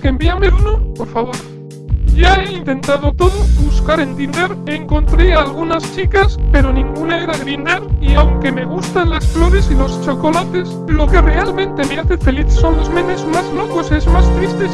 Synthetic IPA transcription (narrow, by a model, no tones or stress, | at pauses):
kembiameɾunopo̞ɾfaβ̞o̞ɾ | ʝae̞int̪e̞nt̪að̞o̞t̪o̞ðoβuskaɾe̞nt̪ind̪e̞ɾe̞ŋko̞nt̪ɾeaːlɣ̞unast͡ʃikaspe̞ɾo̞nĩŋɡunae̞ɾaɣɾind̪aɾiawŋke̞me̞ɣ̞ust̪anlasflo̞ɾe̞silo̞st͡ʃo̞ko̞lat̪e̞s | lo̞ke̞re̞almẽ̞nt̪e̞meaθet̪fe̞liθso̞nlo̞zmẽnezmazlo̞ko̞sezmast̪ɾist̪e̞s